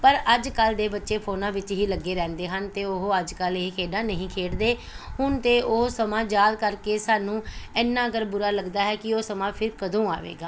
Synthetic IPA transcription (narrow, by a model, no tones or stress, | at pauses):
pəɾəd͡ʒkəld̪eːbətːʃeːpʰoːnãːʋɪt͡ʃɦiːləɡːeːɾɛ̃ːnd̪eːɦənt̪eːoɦoəd͡ʒkəlekʰeːɖãːnəɦĩːkʰeːɖd̪eː | ɦʊnt̪eːʔoːsəmãːd͡ʒaːd̪̚kəɾkeːsaːnũːɛːnːãːəɡəɾbʊɾaːləɡd̪aːɦɛːkɪoːsəmãːpʰɪɾkəd̪õːa̰ːʋḛːɡaː